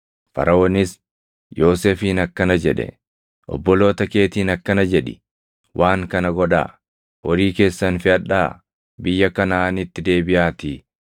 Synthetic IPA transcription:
fɐ̰ɾɐoːnɪs | jo̞ːseːfiːnɐkːɐnɐd͡ʒɛᶑɛ̰ | ʔɔ̰bːɔlo̞ːt̪ɐke̞ːt̪iːnɐkːɐnɐd͡ʒɛᶑɪ̥ | wʔaːŋkɐnɐɡɔd̪a̰ː | wɔɾiːke̞ːsːɐnfɪɐᶑːaː | bɪjːɐkɐnaːnɪt̪ːɪd̪e̞ːbɪʔaːt̪iː

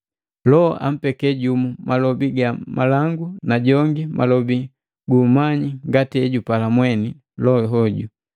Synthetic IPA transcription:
lɔʔa̰m̩pɛkɛɟumumalɔbiɡamalaŋɡunaɟɔŋɡimʔalɔbi | ɡumaɲiŋɡatiɛɟupalamwɛni | lɔɦɔɟu

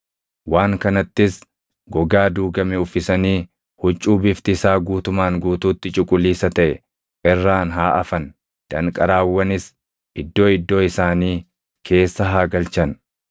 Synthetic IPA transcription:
waːŋkɐnɐt̪ːɪs | ɡɔɡaːd̪uːɡɐmɛʊfːɪsɐniː | hʊt͡ʃʼːuːbɪft̪ɪsaːɡuːt̪ʊmaːŋɡuːt̪uːt̪ːɪt͡ʃʼʊkʼʊliːsɐt̪ɐʔɛ | ʔɪrːaːnɦaːʔɐfɐn | d̪̥ɐŋkʼɐɾaːwːɐnɪs | ʔɪd̪ːo̞ːɪd̪ːo̞ːɪsaːniː | kʰe̞ːsːɐɦaːɡɐlt͡ʃɐn

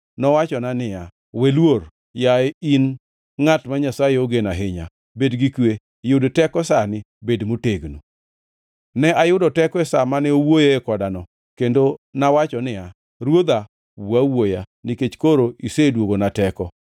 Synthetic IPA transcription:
nɔwat͡ʃɔnanɪja | welwor | jain | ŋatmaɲasajeoɡenaɦɪɲa̰ | bedɡikwe | jʊdotɛkɔsanɪ | bedmoteɡnu | nɛʔajʊdɔtɛkɔɛsamanɛowojeːkɔdanɔ | kendonawat͡ʃɔnɪja | ɾwod̪a | wawojanɪket͡ʃkoɾoisedwoɡonatɛkɔ

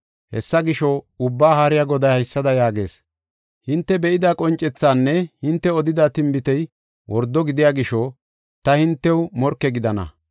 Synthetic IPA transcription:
hɛ̰sːɐɡɪʃɔʊbːaːhaːɾɪjaɡɔd̪ɐjhɐjsːɐd̪ɐjaːɡe̞̰ːs | hɪnt̪ːɛbɛʔɪd̪akʼɔnt͡ʃʼːɛt͡sːaːnːɛhɪnt̪ːɛɔd̪ɪd̪at̪ɪmbɪt̪ɛj | wʔɔɾd̪ːɔɡɪd̪ɪjaːɡɪʃɔ | t̪ɐhɪnt̪ːɛwmɔɾkːɛɡɪd̪ɐnɐ̰

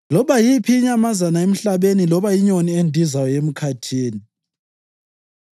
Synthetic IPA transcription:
lɔβajipʰiːɲamazanaem̩ɬaβenilɔβajiɲoniendʱizajɔem̩kʰatʰiːni

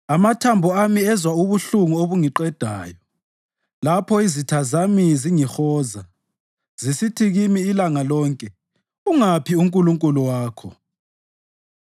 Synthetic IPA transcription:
amatʰambʱɔamiɛzwauβuɬuŋuoβuŋiǃɛd̥ʱa̰ːjɔ | lapʰɔizitʰazamiziŋixɔːza | z̥isitʰiɣimiːlaŋalɔːŋkʼɛ | uŋapʰiuŋkʼuluŋkʼuluwaːkʰɔ̰

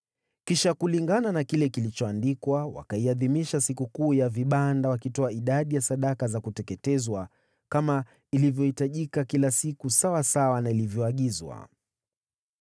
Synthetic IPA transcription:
kiʃakuliŋɡananakilɛkilit͡ʃɔandikwawa̰kaiaðimiʃasikukuːjaviɓandawakitɔaiɗaɗijasaɗakazakutɛkɛtɛzwa | kama | ilivjɔhitaʄikakilasikusawasawanailivjɔaɠizwa̰

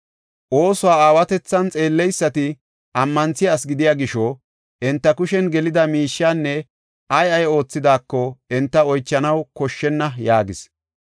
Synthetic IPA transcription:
ʔo̞ːsʊwaːaːwɐt̪ɛt͡sːɐnt͡sʼe̞ːlːɛjsːɐt̪ɪ | ɐmːɐnt͡sɪjaːsɡɪd̪ɪjaːɡɪʃɔ | ʔɛnt̪ːɐkʊʃɛnɡɛlɪd̪ɐmiːʃːaːnːɛ | ʔɐjɐjo̞ːt͡sːɪd̪aːkːɔɛnt̪ːɐɔjt͡ʃːɐnɐwkɔʃːɛnːɐjaːɡɪs

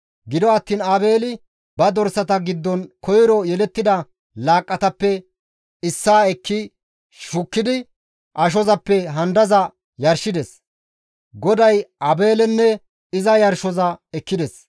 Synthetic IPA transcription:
ɡɪd̪ɔɐt̪ːiːnɐbe̞ːlɪ | bɐd̪ɔɾsɐt̪ɐɡɪd̪ːɔnkɔjɪɾɔjɛlɛt̪ːɪd̪ɐ | laːkʼːɐt̪ɐpːɛ | ɪsːaːɛkːɪ | ʃʊkːɪd̪ɪ | ʔɐʃ̬ɔzɐpːɛɦɐnd̪ɐzɐ | jɐɾʃɪd̪ɛs | ɡɔd̪ɐjʔɐbe̞ːlɛnːɛ | ɪzɐjɐɾʃɔzɐɛkːɪd̪ɛs

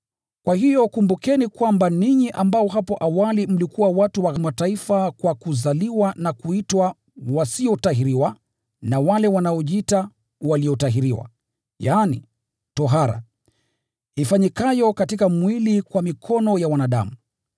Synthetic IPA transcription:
kwaɦijɔkumbukɛnikwambaniɲiʔambaɔɦapɔʔawalim̩likuwawatuwaɣmataifakwakuzaliwanakuitwa | wasiɔtaɦiɾiwa | nawalɛwanaɔʄiita | waliɔtaɦiɾiwa̰ | jaːnḭ | tɔɦaɾa̰ | ifaɲikajɔkatikamwilikwamikʰɔnɔjawanaɗa̰mu

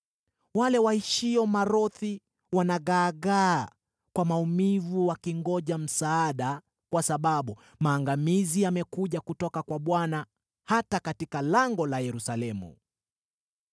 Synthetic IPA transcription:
walɛwahiʃiɔmaɾɔθi | wanaɣaːɣaː | kwamaumivuwakiŋɡɔʄam̩saːɗa | kwasaɓaɓu | maːŋɡamiziamɛkuʄakutɔkakwaɓwana | hatakatikalaŋɡɔlajɛɾusalɛmṵ

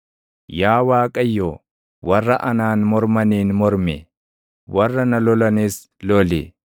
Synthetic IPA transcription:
jaːwaːkʼɐjːoː | wɐrːɐʔɐnaːnmɔɾmɐniːnmɔɾmɛ | wɐrːɐnɐlɔlɐniːs | lɔlɪ̰

